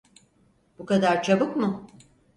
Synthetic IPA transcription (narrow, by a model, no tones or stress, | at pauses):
bukad̪aɾt͡ʃʰabɯkmʊ